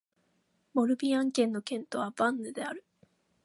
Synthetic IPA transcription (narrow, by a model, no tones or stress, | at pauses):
mo̞ɾɯ̟bʲiãŋkẽ̞nːo̞kẽ̞nt̪o̞β̞abãnːɯd̪e̞aɾɯ̟